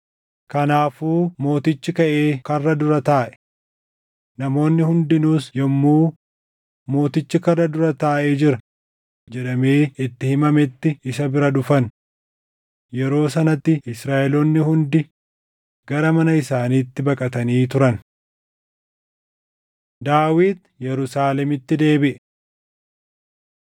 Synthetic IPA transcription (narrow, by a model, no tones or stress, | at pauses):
kɐnaːfuːmo̞ːt̪ɪt͡ʃːɪkɐʔe̞ːkɐrːɐd̪ʊɾɐt̪aːʔɛ̥ | nɐmo̞ːnːɪhʊnd̪ɪnuːsjɛmːuː | mo̞ːt̪ɪt͡ʃːɪkɐrːɐd̪ʊɾɐt̪aːʔeːd͡ʒɪɾɐ | d͡ʒɛᶑɐme̞ːɪt̪ːɪhɪmɐmɛt̪ːɪɪsɐbɪɾɐᶑʊfɐn | jɛɾo̞ːsɐnɐt̪ːɪɪsɾaːʔɛlɔnːɪhʊnd̪ɪ | ɡ̥ɐɾɐmɐnɐɪsaːniːt̪ːɪbɐkʼɐt̪ɐniːt̪ʊɾɐn | d̪aːwiːd̪ | jɛɾʊsaːlɛmɪt̪ːɪd̪e̞ːbɪʔɛ